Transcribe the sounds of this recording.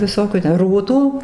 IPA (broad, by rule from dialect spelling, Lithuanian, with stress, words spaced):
ʋʲɪˈsoːkʲuː tʲɛ ˈruːtuː